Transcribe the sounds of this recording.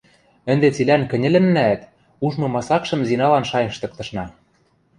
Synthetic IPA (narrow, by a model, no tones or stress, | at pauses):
ɘ̆nd̪et͡silænkɘ̆nʲɘ̆lʲɘ̆nːæt̪ | uʒmɤ̆mɑsɑkʃɤ̆mzinɑlɑnʃɑjɤ̆ʃt̪ɤ̆k̚t̪ɤ̆ʃnɑ